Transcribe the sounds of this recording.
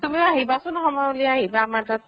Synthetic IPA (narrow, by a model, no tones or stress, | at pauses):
tumiaɦibasʊnxɔmauliaaɦibaːmatat